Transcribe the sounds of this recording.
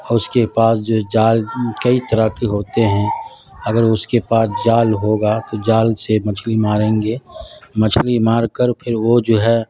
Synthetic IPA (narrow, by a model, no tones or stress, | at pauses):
ɔʊskepaːsd͡ʒoːd͡ʒaːlkɐit̪ɐɾəkiɦoːt̪eɦɛ̃ | ɐɡəɾʊskepaːsd͡ʒaːlɦoːɡat̪od͡ʒaːlsemɐt͡ʃʰlimaːɾẽːŋɡeːmɐt͡ʃʰlimaːɾkəɾpʰɪɾʋod͡ʒoːɦɛ